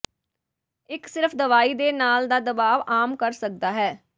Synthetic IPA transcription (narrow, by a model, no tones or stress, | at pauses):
ɪksɪɾfd̪əʋaːiːd̪eːnaːld̪aːd̪əbaːʋaːmkəɾsək̚d̪aːɦɛː